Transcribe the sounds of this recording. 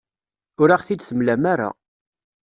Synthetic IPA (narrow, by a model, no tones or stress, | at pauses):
ʊɾaʁθid̪θəmlæmaɾa̰